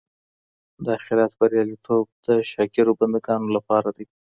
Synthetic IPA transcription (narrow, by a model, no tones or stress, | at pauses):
d̪əaxɪɾat̪baɾjɑlit̪ʰob̚d̪əʃɑɡiɾoband̪aɡɑnolapɑɾad̪ij